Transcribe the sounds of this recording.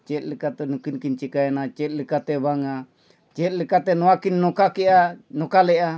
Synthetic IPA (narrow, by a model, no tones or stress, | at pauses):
t͡ʃɛt̪̚ləkat̪ɛnukinkint͡ʃikaɛnat͡ʃɛt̪̚ləkat̪ɛbaŋa | t͡ʃɛt̪̚lekat̪ɛnɔakinːɔkakianɔkalɛa